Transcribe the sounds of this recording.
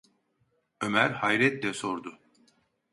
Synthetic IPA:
ømæɾhajɾɛt̪lɛsoɾd̪ʊ

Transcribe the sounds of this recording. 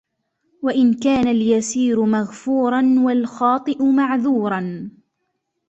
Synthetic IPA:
waʔɪnkaːnaljasiːɾʊmaɣfuːɾˤɑnwalxɑːt̪ˤɨʔʊmaʕðuːɾˤɑn

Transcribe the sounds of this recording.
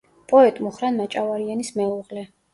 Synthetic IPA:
pʼɔɛt̪ʼmuχɾanmat͡ʃʼavaɾianismɛuʁlɛ

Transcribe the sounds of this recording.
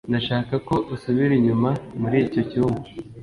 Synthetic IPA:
ndaʃaːkako̞ʔusuβiɾiɲumamuɾico̞ciuŋɡo

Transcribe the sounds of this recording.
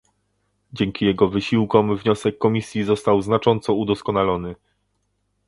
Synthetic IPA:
d͡ʑɛŋkʲijɛɡɔvɘɕiwkɔmvɲɔsɛkːɔmʲisʲjizɔst̪awznat͡ʂɔnt̪sɔud̪ɔskɔnalɔnɘ

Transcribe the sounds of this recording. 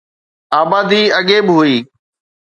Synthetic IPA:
aːbaːd̪iːəɠeːbɪɦʊiː

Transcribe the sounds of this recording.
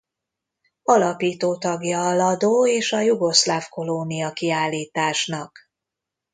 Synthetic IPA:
ɒlɒpiːt̪oːt̪ɒɡjɒːlɒd̪oːeːʃɒjuɡo̞ʃlafko̞lonijɒkiaːlːiːt̪aːʃnɒk

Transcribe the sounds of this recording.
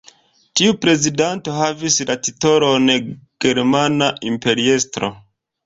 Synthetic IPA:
tiupɾe̞zidanto̞ɦavislatito̞ɾonɡ̥e̞ɾmanaʔimpe̞ɾie̞stɾo̰

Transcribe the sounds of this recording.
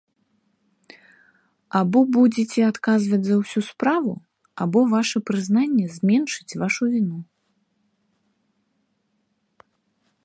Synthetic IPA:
abɔbud͡zʲɛt͡sʲɛat̪kazvɐd͡zʲzɐwsʲuspɾavu | a̰bɔvaʂɛpɾɨznanʲːɛzʲmʲɛnʂɨ̥t͡sʲvaʂuvʲinu

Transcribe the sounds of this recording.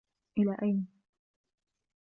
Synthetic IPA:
ʔɪlaːʔajna

